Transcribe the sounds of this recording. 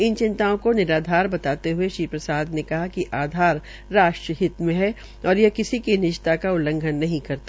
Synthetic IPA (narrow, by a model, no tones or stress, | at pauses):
ɪnt͡ʃɪ̃nt̪aõkonɪɾaːd̪ʱaːɾbɐt̪aːt̪eɦʊeʃɾiːpɾɐsaːd̪nekɐɦakiʔaːd̪ʱaːɾː | aːʃʈɾəɦɪt̪mẽɦɛ | ɔːɾjekɪsikinɪʃt̪akaʊlə̃ŋɡʱənːɐɦĩkɐɾt̪a